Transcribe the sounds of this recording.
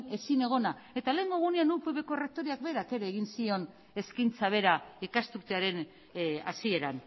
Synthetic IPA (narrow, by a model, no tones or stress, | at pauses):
e̞sine̞ɣ̞o̞nae̞t̪ale̞ːŋɡo̞ɣune̞anupeβe̞ko̞re̞k̚t̪o̞ɾiak̚be̞ɾake̞ɾe̞ːɣ̞insio̞n | e̞skint͡saβ̞e̞ɾaikast̪ukt̪eaɾe̞n | a̰sie̞ɾan